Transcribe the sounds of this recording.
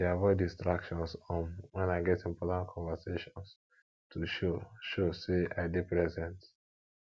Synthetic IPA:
eavɔɪdĩstɹakʃɔ̃nsɔ̃nwɛ̃naɪɡɛtĩmpʰɔtãntkʰɔ̃ɱvəseʃɔ̃ns | tʰuʃoʃoseaɪdepɹɛzɛ̃nt

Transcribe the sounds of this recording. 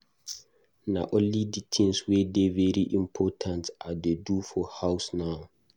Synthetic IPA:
na̰ʔɔ̃nliditʰĩnswɛdevɛɹiʔĩmpʰɔtʰãntadedufɔhaʊsnaʊ

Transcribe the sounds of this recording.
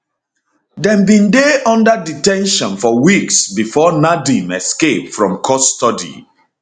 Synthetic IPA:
dɛ̃mbĩndeɔ̃ndaditɛ̃nʃɔ̃nfɔwiksbifɔnadĩmɛskep̚fɹɔ̃mkʰɔstɔdḭ

